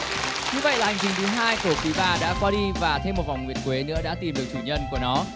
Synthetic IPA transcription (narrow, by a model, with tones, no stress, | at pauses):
ɲɨ˧və̰˧˨jlaː˨˩ha˨˩ŋ̟t͡ɕi˨˩ŋt̪ʰɨ˨˦ɦaː˧jku˧˩əfi˨˦ɓaː˧˩ɗa̰ː˧˥kwaː˧ɗi˧vaː˨˩t̪ʰe˧mo˨˩t̚va˨˩wŋ͡mŋi˨˩ənkwe˨˦nɨ̰˧˥əɗa̰ː˧˥t̪i˨˩mɗɨ˨˩ək̚t̪ʰɨː˧˩ɲə˧nku˧˩ənɔ˨˦